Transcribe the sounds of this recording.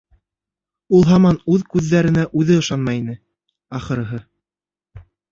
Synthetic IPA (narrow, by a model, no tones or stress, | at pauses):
ulˠɦɑmɑnʉðkʉðːæɾɘ̆næʔʉðɘɤ̆ʃɑnmɑjinɘ | ɑχɤ̆ɾɤ̆ɦɤ